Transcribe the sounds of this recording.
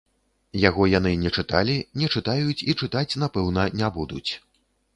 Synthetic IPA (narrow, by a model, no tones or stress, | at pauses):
jaɣɔjan̪ɨnʲɛt͡ʂɨt̪a̰lʲinʲɛt͡ʂɨt̪ajut͡sʲit͡ʂɨt̪at͡sʲnapɛwn̪ɐnʲabud̪ut͡sʲ